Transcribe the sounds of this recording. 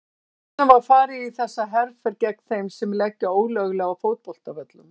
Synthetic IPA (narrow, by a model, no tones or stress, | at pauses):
navaɾ̥faːɾɪiθɛsːaɦɛɾfɛɾcɛk̪θejmsɛmlɛhcːɪoːwlœɣlɛɣawfoːwt̪̚pɔl̥t̪avɛt̪lʏm